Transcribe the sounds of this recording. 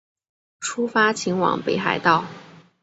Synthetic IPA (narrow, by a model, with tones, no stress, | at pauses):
ʈ͡ʂʰu˥fa˥t͡ɕʰi˧˥ŋwɑ̰˨˩ŋpe˧˥ɪxa̰˨˧˩ɪt̪ɑ˥˩ʊ